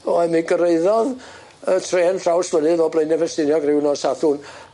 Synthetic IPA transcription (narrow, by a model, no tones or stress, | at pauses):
ɔɛmiɡəɾeɨðɔð | ətʰreːnɬrawswənɨðɔbleɨnɛvɛstɪnjɔɡrɪwnɔsaθʊn